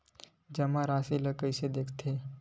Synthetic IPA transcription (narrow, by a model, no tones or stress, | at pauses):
d͡ʒɐmãɾaːsiləkəɪsed̪eːkʰt̪ʰe